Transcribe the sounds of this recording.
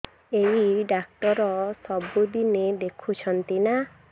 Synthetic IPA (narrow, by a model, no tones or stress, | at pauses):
eiɖak̚ʈɔɾɔsɔbud̪ined̪ekʰut͡ʃʰɔnt̪ina